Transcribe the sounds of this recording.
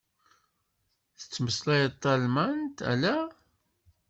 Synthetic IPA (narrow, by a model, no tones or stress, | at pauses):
θ | θə̥t͡sːməslæjət̪ˤːɑlmænt̪æ̰læ